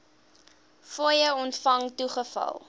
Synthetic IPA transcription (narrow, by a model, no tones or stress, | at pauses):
fɔjəɔntfɐŋtuχəfɐ̰lˠ